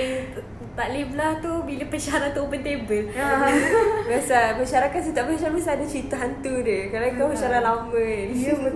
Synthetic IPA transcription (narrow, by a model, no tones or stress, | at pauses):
t̪alimlat̪ubilapət͡ʃaaɾat̪uopənt̪ebəl | biasaməʃaɾakat̪̚sit̪aʔbəaʃabisaːdat͡ʃint̪uɦant̪udəkalakapət͡ʃaɾalamən